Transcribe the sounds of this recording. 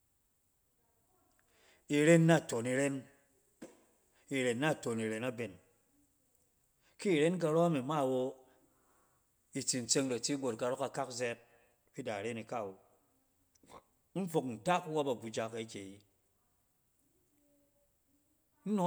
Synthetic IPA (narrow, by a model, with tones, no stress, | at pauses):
i˨ɾe˦nːa˦˨to˨ni˨ɾe˦n | i˨ɾe˨nːa˦˨to˨ni˨ɾe˨na˦be˨n | ki˦˨ɾe˦nk̬a˧ɾo˦a˦mi˨ma˦˨wo˧ | i˨t͡si˨n̩˨t͡se˧ŋɾa˨ti˦ɡo˨t̚ka˨ɾɔ˦ka˨ka˦kzɛ˦t̚ | bi˦da˨ɾe˦ni˨ka˦˨wo˨ | m̩˦fo˨kn̩˨ta˦ku˦wa˦ba˨bu˨d͡ʒa˨ka˨i˦kʲe˨ji˦ | n̩˦no˨˦